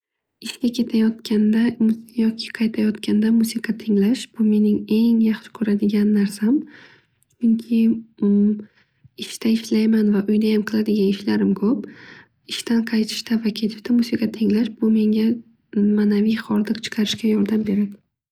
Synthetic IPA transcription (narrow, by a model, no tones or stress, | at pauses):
ɪʃkʲakʲʰe̞t̪ʰajɒt̪̚kʲand̪amjɒkʲʰɪ̥qʰɑjt̪ʰajɒt̪kʲand̪amusɪqʰɑt̪ʰɪŋlaʃb̥ʊme̞nɪŋe̞ŋjɑχʃɪ̥kʰɵɾad̪ɪɡʲanːaɾsam | t͡ʃʰʊŋkʲʰɪ | ɪʃt̪ʰaɪʃlajmanvaʔʊjnajamqʰɨlˠad̪ɪɡʲanɪʃlaɾɪmkʰɵp̚ | ɪʃt̪anqʰɑjt̪ʰɪ̥ʃt̪avakʲʰet̪ʰɪ̥ʃt̪ʰamusikʰɑt̪ʰɪŋlaʃb̥ʊme̞ŋɡʲa | manavijχɒɾd̪ɨqt͡ʃʰɨ̥qʰɑɾɪʃkʲajɒɾd̪ambe̞ɾad̪ɪ